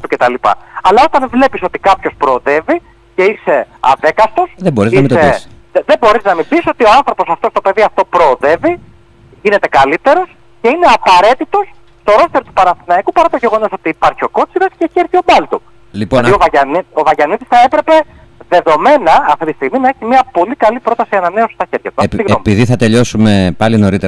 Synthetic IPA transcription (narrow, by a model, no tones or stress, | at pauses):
t̪ucet̪ɐlipɐ̰ɐlɐo̞t̪ɐnvle̞piso̞t̪i̥kɐpço̞spɾo̞ːðe̞vi | ceise̞ɐ̰ðe̞kɐst̪o̞seboɾizɐmse | ðebo̞ɾiznɐmibiso̞t̪io̞ɐnθɾo̞po̞sɐft̪ost̪ope̞ðiɐft̪o̞pɾo̞ːðe̞vi | ʝine̞t̪e̞kɐlit̪e̞ɾo̞s | ce̞ine̞ɐpɐɾe̞t̪it̪o̞s | st̪o̞ɾo̞st̪e̞ɾot̪upɐnɐθinɐikupɐɾɐt̪oʝe̞ɣo̞no̞so̞t̪iːpɐɾçio̞ko̞t͡siɾɐsceeçieɾθio̞mɐlt̪u | lipoɐnðiovɐɐnovɐʝɐniðisθɐe̞pɾe̞pe̞ | ðe̞ðo̞me̞nɐɐft̪it̪ist̪iɣminɐe̞çimiɐpo̞likɐlipɾo̞t̪ɐsiɐnɐne̞osist̪ɐçe̞ɾʝɐt̪uɐsiɣompiðiθɐt̪e̞ʎo̞sume̞pɐlino̞ɾit̪e